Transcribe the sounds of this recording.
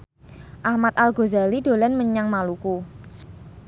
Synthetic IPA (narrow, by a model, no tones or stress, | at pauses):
ʔahmat̪̚alɡo̤zaliɖ̥o̤lɛnməɲaŋmaluku